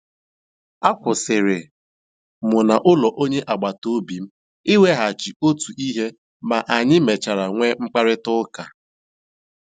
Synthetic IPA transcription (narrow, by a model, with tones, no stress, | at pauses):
a˦kʷʊ˨sɪ˨ɾɪ˨ | mʊ˨na˨ʔʊ˦lɔ˨ʔo˦ɲe˦ʔa˨ɡ͡ba˨to˦bi˨m̩˦ | ɪ˦we˦ɦa˨t͡ʃi˨o˦tu˨ʔi˦ɦe˦ | ma˨ʔa˨ɲɪ˦me˨t͡ʃa˨ɾa˨ŋʷe˦ŋ͡m̩˦k͡pa˦ɾɪ˦tʊ˦ka˨